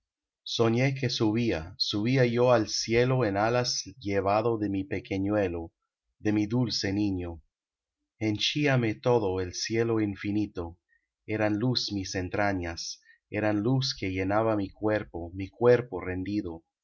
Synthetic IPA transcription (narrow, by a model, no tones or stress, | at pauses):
soɲe̞ke̞suβiasuβiajoalsje̞loenalasʎeβ̞aðoðemipekʰeɲwelo | ðe̞miðulse̞niɲo | ent͡ʃiame̞t̪o̞ðoelsje̞loiɱfinit̪o | e̞ɾanlusmisent̪ɾaɲas | eɾanluske̞ʝe̞naβamikweɾpomikwe̞ɾporend̪iðo